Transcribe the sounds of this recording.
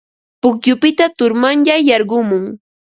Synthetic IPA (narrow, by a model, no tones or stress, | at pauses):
pʊkjʊpɪt̪at̪ʊɾmanʎajɑɾɢʊmʊŋ